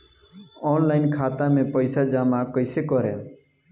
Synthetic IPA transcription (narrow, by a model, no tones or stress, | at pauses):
ɔːnlaːɪnkʰaːt̪ãːmẽːpəɪsaːd͡ʒaːmakəɪsekɔɾḛː